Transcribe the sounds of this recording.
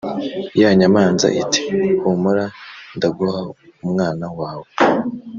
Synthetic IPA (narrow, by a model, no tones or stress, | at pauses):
jaːɲamaːnza̰ʔiti̥humuɾandaɡuhaumŋaːnawaːwe